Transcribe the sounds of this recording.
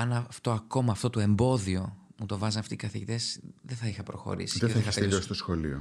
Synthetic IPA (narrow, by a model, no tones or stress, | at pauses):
ɐnɐft̪o̞ɐko̞mɐːft̪o̞t̪oe̞mbo̞ðio̞mut̪o̞vɐzɐnɐft̪ikɐθiʝit̪e̞sðeθɐixɐpɾo̞xo̞̰ɾḭsi̥ðeðθɐiɐseʎosist̪osxo̞lio